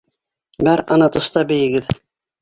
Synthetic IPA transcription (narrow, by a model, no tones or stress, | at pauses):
bæɾɑnɑt̪ŏst̪ɑbɘ̆jɘ̆ɡɘð